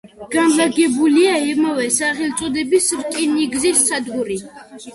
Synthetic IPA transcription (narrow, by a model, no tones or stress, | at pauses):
ɡ̥anlaɡɛbuliaimavɛsaʁilt̪sʼɔd̪ɛbisɾkʼiniɡzisːad̪ɡuɾi